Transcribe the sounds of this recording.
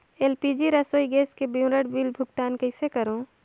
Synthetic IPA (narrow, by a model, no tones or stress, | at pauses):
eːlpid͡ʒiɾəsoːjɡeːskebiʊɾəɽbiːlbʱʊɡʈ̪aːnkɐɪsekəɾõ